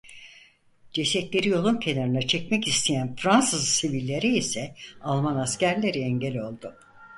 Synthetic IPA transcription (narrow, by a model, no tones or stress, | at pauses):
d͡ʒesɛt̪lʲe̞ɾijo̞lˠuncʰe̞naɾɯnat͡ʃʰɛcmɛcist̪ʰejænfɾansɯzsivilʲːe̞ɾiisɛalˠmanascæɾlʲeɾiɛɲɟelʲo̞lˠd̪ʊ